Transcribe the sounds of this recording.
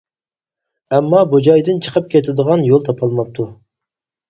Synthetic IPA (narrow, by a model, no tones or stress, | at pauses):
ɛmːɑbud͡ʒɑjd̪ɪnt͡ʃʰə̥qʰəp̚kʲʰet̪ʰɪd̪əʁɑnjolˠt̪ʰɑpʰɑlˠmɑp̚t̪ʰu